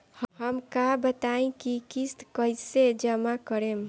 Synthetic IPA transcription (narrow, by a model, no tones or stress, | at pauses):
hhəmkabət̪aĩkikist̪kəjsed͡ʒəmakəɾem